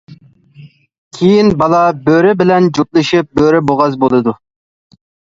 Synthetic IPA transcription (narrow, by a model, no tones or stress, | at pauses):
kʲʰejinbɑlˠɑbøɾɪbɪlɛnd͡ʒut̪̚lˠɨʃip̚bøɾɪboʁɑzbolˠɨd̪u